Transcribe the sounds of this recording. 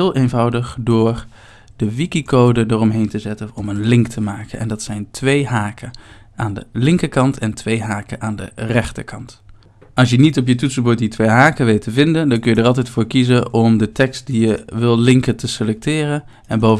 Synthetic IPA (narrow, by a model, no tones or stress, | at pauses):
lˠʔejnvʌwdəχdʊːɹ | d̥əʋikikowdədərɔmɦejntəzɛtənɔmənlɪŋktʰəmaːkənʔɛ̰ndɑtsɛjntʋejɦaːkə | aːndə̰lɪŋkəkɑntʰɛntʋejɦaːkənʔaːndə̰rɛχtəkʰɑnt | ɑlˠsjənitɔp̬jətutsəbut̚ditʋejɦaːkəʋejtəvɪndəndɑnkɵnjədəɹɑlˠtɛjtfʊːɹkizənɔmdətɛkst̚dijəʋɪlˠlɪŋkətəselɛk̚tɪːrən | ɛnbowv